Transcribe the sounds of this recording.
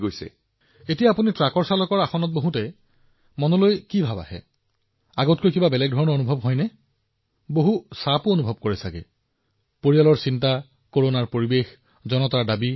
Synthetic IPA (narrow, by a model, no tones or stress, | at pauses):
ɡojsɛ̰ | etijaːpunitɹakɔɹsalɔkɔɹaxɔnɔt̚boɦutɛ | mɔnɔlojkibʱaba̰hɛ̰ | aɡotkojkibabɛlɛɡ̚dʱɔɹɔnɔonubʱɔbɦɔjnɛ | boɦusapuonubʱɔb̚koɹɛsakɛ | poɹijalɔɹsinta | koɹonaɹpoɹibex | zɔnɔtaɹdabi